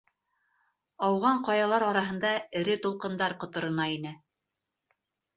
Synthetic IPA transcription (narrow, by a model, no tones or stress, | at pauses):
ɑwʁɑɴqɑjɑlˠɑɾɑɾɑɦɤ̆nd̪ɑɘ̆ɾɘt̪ŏlˠqɤ̆nd̪ɑɾqŏt̪ŏɾɤ̆nɑinɘ